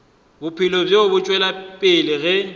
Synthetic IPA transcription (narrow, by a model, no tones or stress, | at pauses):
bʊpʰɪlɔbjobʊt͡ʃʼwɛlapʼɪlɪɣɛ